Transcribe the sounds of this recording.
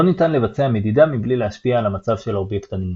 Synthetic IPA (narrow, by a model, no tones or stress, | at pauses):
onitanle̞vat͡seame̞d̪idamiblileaʃpiaːlamat͡savʃe̞lo̞bje̞kt̪ani